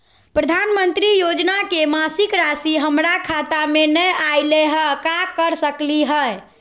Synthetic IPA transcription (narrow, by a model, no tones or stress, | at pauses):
pɾəd̪ʱanmənt̪ɾijod͡ʒnakemasikɾasiɦəmɾakʰat̪amenəjajleɦəkakəɾsəkliɦəj